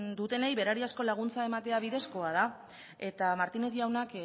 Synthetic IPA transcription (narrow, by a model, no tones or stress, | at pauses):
d̪ut̪e̞ne̞jβe̞ɾaɾiasko̞laɣ̞unt͡sae̞mat̪e̞aβiðe̞sko̞að̞a | e̞t̪amaɾt̪ine̞t̪jawnak